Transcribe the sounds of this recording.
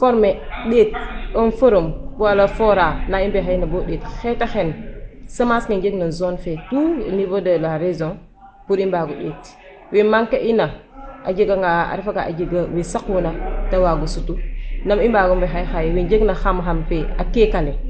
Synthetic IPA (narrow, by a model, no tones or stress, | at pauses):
foɾmeɗet̚onfoɾombualafoɾanaimbexajnaboɗetxetaxensamasŋind͡ʒeɡnanzonfetunivodalaɾezoŋ | puɾimbaɡuɗeːt | wemaŋkaʔinaa̰d͡ʒeɡaŋɡaa̰ɾifaɡaʔa̰d͡ʒeɡawesakunatawaɡusutunamimbaɡumbexajxajewid͡ʒeɡnaxamxamfeakekale